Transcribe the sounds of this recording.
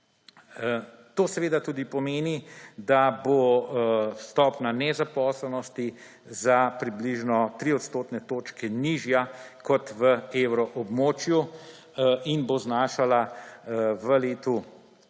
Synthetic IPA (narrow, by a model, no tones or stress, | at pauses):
t̪oːsɛʋeːd̪at̪uːd̪ipɔmeːnid̪abo | st̪ɔːpnanɛzapɔːslɛnɔst̪i | zapɾibliʒnɔt̪ɾiɔt̪st̪oːt̪nɛt̪oːt͡ʃkɛniʒjakɔt̪ʋəewɾɔʔɔbmoːt͡ʃju | inboznaːʃala | ʋəleːt̪u